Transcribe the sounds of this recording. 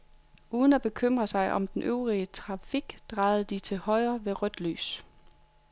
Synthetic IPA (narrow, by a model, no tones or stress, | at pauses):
ʔuːð̞ˠn̩æb̥e̝kʰøm̰ʁɐsɑ̈ɪʔɒ̽md̥enʔøʊʁiət͡sʰʁɑ̈fiɡ̥d̥ʁɑ̈ɪð̩ˠd̥it͡sʰe̝hɒ̽ɪɐʋe̝ʁœd̥ly̰ːs